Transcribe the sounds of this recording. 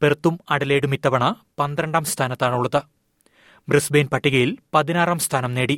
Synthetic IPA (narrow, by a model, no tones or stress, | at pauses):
pert̪ːumɐɽɐle̞ːɽumit̪ːɐʋɐɳɐ | pɐnd̪rɐɳɖaːmst̪ʰaːnɐt̪ːaːɳuɭːɐðɨ | brisbejnpɐʈːiɣɐjilpɐðinaːraːmst̪ʰaːnɐmne̞ːɽi